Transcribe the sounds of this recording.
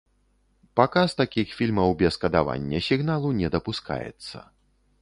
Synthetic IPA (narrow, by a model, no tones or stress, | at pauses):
pakast̪akʲixfʲilʲmɐwbʲɛskɐd̪ava̰nʲːɐsʲiɣnalˠunʲɛd̪ɐpuska̰jɛ̰t̪sːɐ̰